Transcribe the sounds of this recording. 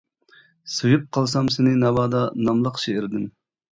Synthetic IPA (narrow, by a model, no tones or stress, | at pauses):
sujup̚qʰɑlˠsɑmsɪnɪnɑvɑːd̪ɑnɑmlˠəqʃeɪɾd̪ɪn